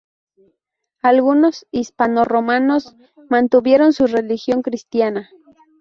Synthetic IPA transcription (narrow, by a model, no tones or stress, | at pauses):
alɣunosispanoromanos | mant̪uβjeɾonsurelixjoŋkɾist̪jana